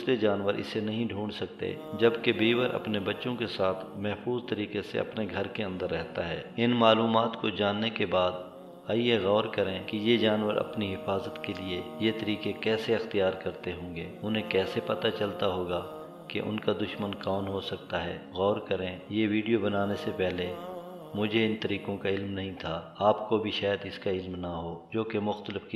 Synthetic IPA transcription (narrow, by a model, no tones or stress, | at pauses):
sled͡ʒaːnʋəɾɪ̰senɐɦĩɖʱũːɳsɐk̚t̪ḛd͡ʒɐbkebiːwəɾʔɐ̰pnebɐtːʃõkesaːt̪ʰmɛɦfuːzt̪ɐɾiːkesḛɐ̰pneɡʱɐɾkeɐ̃nd̪əɾːɛɦt̪aɦɛːɪnmaːluːmaːt̪kod͡ʒaːnːekebaːd̪ | aːijeɣɔːɾkɐɾẽkijed͡ʒaːnʋəɾɐ̰pniɦɪfaːzət̪keliejet̪ɐɾiːkekɛːseɐxt̪ijaːɾkɐɾt̪eɦõːɡeːʊnɦẽkɛːsepɐt̪at͡ʃɐlt̪aɦoːɡa | kḛʔʊ̰nkad̪ʊʃmənkɔːnɦosɐk̚t̪aɦɛːɣɔːɾkɐɾẽjeʋiːɖijobɐnaːnesepɛɦle | mʊd͡ʒʱeɪnt̪ɐɾiːkõkaɪlmnɐɦĩt̪ʰaːaːpkobʱiʃaːjəd̪ɪskaɪlmnaɦoːd͡ʒoːkemʊxt̪əlɪfki